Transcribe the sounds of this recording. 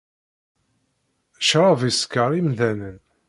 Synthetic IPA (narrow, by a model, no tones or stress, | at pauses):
ʃɾˤɑviskːəɾˤimðænən